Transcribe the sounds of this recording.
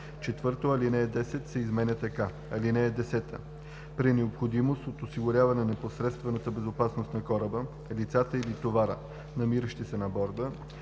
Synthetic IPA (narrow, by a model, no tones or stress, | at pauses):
t͡ʃɛt̪vɤɾt̪oɐlinɛːd̪ɛsɛt̪sɛizmɛnʲət̪ɐka | ɐlinɛɛd̪ɛsɛt̪ə̰ | pɾinɛopxod̪imost̪ot̪osiɡʊɾʲavɐnɛnɐposɾɛt̪st̪vɛnət̪əbɛzopasnost̪nɐkɔɾəbə | lit̪sat̪əilit̪ovaɾə̰ | nɐmiɾəʃt̪isɛnɐbɔɾd̪ə